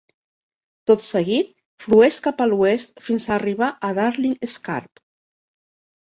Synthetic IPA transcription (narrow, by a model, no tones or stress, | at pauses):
t̪ot̪səɣit̪̚ | flueʃkapaluest̪finsaːriβ̞aʔaðaɾlieska̰ɾp